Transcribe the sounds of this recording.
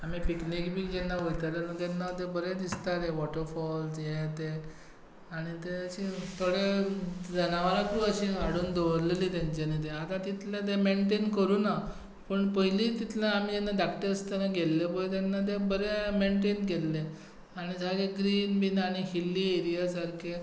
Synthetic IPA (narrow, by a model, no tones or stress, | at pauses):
amiːpiknikbʱiːd͡ʑɛnːaʋojt̪aɾanə̃t̪ɛnːat̪ebəɾed̪ist̪aɾeʋɔʈəɾfɔlsjet̪e | aɽ̃it̪eəɕit̪ʰoɽed͡zənaʋalakɾuəɕiɡaɽuːnd̪oʋɾllit̪jãɲt͡ɕenit̪̬eat̪ãt̪it̪ʰlat̪̬emeɳʈenkəɾuːna | pəɳpəiliːt̪it̪ʰlaam̤id͡ʑenːaɖakʈəɾəst̪anaɡelːebəjt̪anːat̪̬ebəɾemeɳʈ̬enɡelːe | aɽ̃isaɡeɡɾiːnbinaɽ̃iɦilːieɾijasaɾkʰe